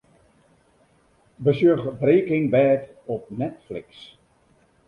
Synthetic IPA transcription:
bəsjøxbreːkɪŋbɛːt | ɔp̚nɛtflɪ̰ks

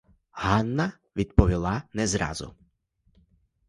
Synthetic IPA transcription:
hɑnːɐ | ʋʲid̪pɔʋʲilˠɑnɛzɾɑ̰zʊ̰

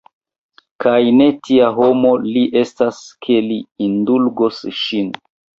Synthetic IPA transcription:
kajne̞tiaɦo̞mo̞liʔe̞staskʰe̞liindulɡosʃin

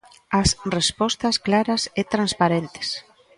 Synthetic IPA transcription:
asrespɔst̪ɐsklaɾɐset̪ɾanspaɾent̪ɪ̥s

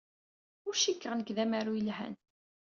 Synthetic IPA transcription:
ʊɾʃikːʁnəkðæmæɾujəlhæ̰n

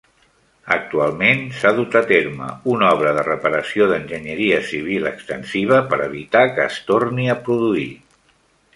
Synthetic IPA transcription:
ək̚t̪ualˠmensaðut̪ət̪eɾmə̰unɔβ̞ɾəðərəpəɾəsioðənʲʒəɲəɾiəsiβ̞iləkst̪ənsiβ̞əpəɾəβ̞it̪akəːst̪orniəpɾuðui

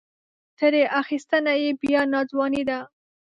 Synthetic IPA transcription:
t̪əɾeʔaxist̪ənajebjanɑzwɑnid̪a

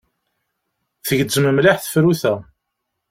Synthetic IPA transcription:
θəʝəzəməmlaħθə̥fɾuθæ

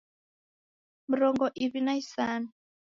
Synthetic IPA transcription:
miɾɔŋɡɔʔiβinaisaːna

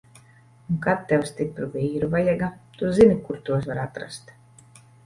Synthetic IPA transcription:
uŋkat̪ːɛwst̪ipɾuviːɾuvajaɡat̪uzinikuɾt̪uɔs̬vaɾat̪ɾa̰st̪

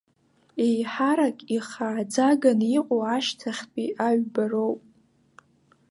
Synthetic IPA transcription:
ejħaɾakʲʼiχaːd͡zaɡaniqʷʼoaʃtʰaχʲpʼiʔaɥbarowpʼ

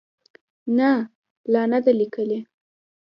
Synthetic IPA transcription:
na | lɑnad̪alikəle

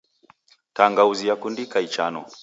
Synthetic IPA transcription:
taŋɡauzijakundikait͡ʃanɔ̰

